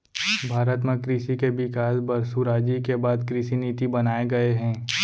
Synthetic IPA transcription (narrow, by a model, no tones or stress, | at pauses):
bʱaːɾət̪mẽkɾisikebɪkaːsbɐɾsuɾaːd͡ʒikebaːd̪kɾiːsiniːt̪ibɐnaːeɡɐeɦɛ̃ː